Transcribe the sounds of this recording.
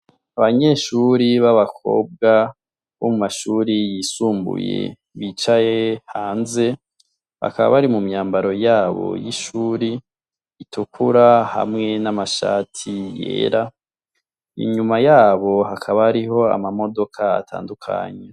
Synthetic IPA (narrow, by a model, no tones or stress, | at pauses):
aβaɲe̞ʃuɾiβaβakʰo̞̰ːb̚ɡa | βo̞mumaʃuːɾijisuːmbṵjḛ | βit͡ʃajehaːnze̞ | βa̰kaβa̰βaɾimumɲaːmbaɾo̞jaːβo̞̰jiʃuːɾi | itʰukʰuɾaha̰mŋe̞namaʃa̰ːtʰijḛːɾa | ḭɲumajaːβo̞ɦakʰaβaaɾiɦo̞a̰mamo̞do̞kʰaa̰tʰa̰ːndukʰa̰ɲe